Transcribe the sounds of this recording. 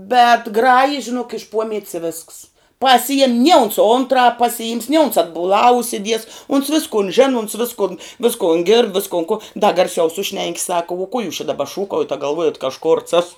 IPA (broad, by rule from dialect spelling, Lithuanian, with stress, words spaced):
bʲɛt ˈɡrɑːjɪ ʒʲɪˈnuɔk ɪʃ ˈpuɔmʲiɛtʲs ɪ ʋʲeːsks pɐˈsʲɪjɛm nʲiɛ ʊns ˈʊntrɑːp pɐsʲɪˈjɪms nʲɪ ʊns ɐdbʊˈlˠɑː ʊʃʲsʲɪˈdʲiɛs ʊns ˈʋʲɪskʊn ˈʒʲɪnʊ ʊns ˈʋʲɪskʊn ˈʋʲɪskoːn ɡʲɪrt ˈʋʲɪskoːn kʊ dɐ ɡɐrʲˈsʲɛʊ ˈsʊʃʲnʲɛŋʲkʲɪ sɐk uɔ kuɔ juːs t͡ʃʲɛ dɐˈbɐ ˈʃuːkɐʊjɛt ɐ ɡɐlˠˈʋuɔjɛt kɐ ɐʃ kʊrts ˈɑːsʊ